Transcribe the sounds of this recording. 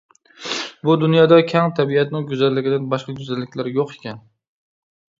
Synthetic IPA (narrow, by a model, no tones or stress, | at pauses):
bʊd̪ʊnjɒd̪akʲʰamt̪ʰabiat̪nɪŋɡʲʊzalːɪɡʲɪd̪anbɒʃqɑɡʊzalːɪkʲlaɾjoqekʲʰan